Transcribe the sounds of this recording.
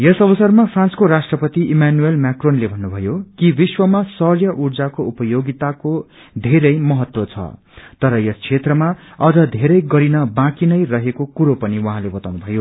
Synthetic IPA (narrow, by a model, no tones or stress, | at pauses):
jʌsʌbʌsʌrmapʰrãnskoɾasʈrʌpʌt̪iʔimanuelmakronlebʱʌnːubʱʌjokibiswʌmasʌrjʌʔurd͡zakoupʌjoɡit̪ako | d̪ʱeɾʌjmʌɦʌt̪wot͡sʰʌ̰ | t̪ʌɾʌjʌskʰet̪rʌmaʌd͡zʌd̪ʱeɾʌjɡʌɾinʌbãkinʌjrʌɦekokuɾopʌniwʌɦãlebʌt̪awnubʱʌjo